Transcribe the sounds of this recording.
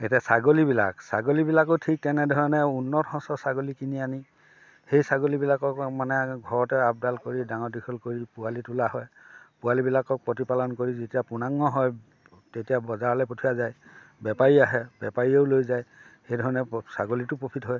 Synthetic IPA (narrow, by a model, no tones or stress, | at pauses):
etijasaɡolibila̰ksa̰ɡolibilak̬otʰik̚tɛnɛdʱɔɹɔnɛunːɔthɔ̃sɔsaɡolikiniani | xejsaɡolibilakɔkmanɛɡʱɔɹɔtɛap̚dalkoɹidaŋɔdikʰɔlkoɹipʊalitulaɦɔjpʊalibilakɔk̚pɹɔtipalɔnkoɹizetijapunaŋːɔɦɔj | tetijabɔzaɹlɛpotʰijazajbɛpaɹiaɦɛb̥jɛpaɹioʊlojzaj | xejdʱɔɹɔnɛsa̰ɡolitʊpopʰitɦɔj